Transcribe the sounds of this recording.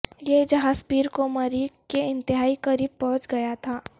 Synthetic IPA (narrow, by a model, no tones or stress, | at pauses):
jed͡ʒɐɦaːzpiːɾkomɐɾikeɪ̃nt̪ɪɦaːikɐɾiːb̚pɔ̃ɦʊ̃t͡ʃɡɐjat̪ʰaː